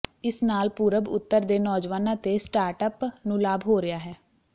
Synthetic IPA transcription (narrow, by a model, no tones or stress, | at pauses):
ɪsnaːlpuːɾəbʊ̰t̪ːəɾd̪eːnɔːd͡ʒʋaːnãːt̪eːsʈaːɾʈəpnũːlaːbɦoːɾɪjaːɦɛː